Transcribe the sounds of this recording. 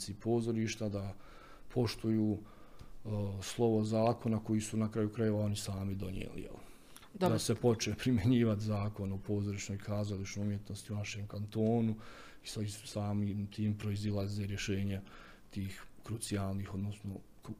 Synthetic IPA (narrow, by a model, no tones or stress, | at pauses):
sipʰo̞ːzo̞ɾiːʃt̪ad̪a | pʰo̞ʃt̪ujuː | slˠo̞ʋozaːko̞nako̞jisunakɾajukɾaje̞ʋao̞nisaːmid̪o̞njḛlḭjḛli | d̪ase̞po̞t͡ʃepɾimje̞ɲiːʋat̪zaːko̞nopʰo̞ːzoɾiʃno̞ːjkʰaːzalit͡ʃnojumjet̪no̞st̪iunaʃe̞ːmkant̪o̞ːnu | isisaːmiːmt̪iːmpɾo̞izilˠazeːɾje̞ʃe̞ːɲe | t̪iːxkɾut̪sijaːlˠniːxo̞d̪no̞sno̞